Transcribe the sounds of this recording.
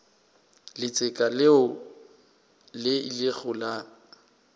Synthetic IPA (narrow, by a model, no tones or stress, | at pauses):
lɪt͡sʼɪkʼalɪʊ | lɪilɪɣʊla